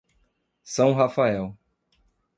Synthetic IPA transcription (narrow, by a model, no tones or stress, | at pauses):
sɐ̃w̃ɦafaɛw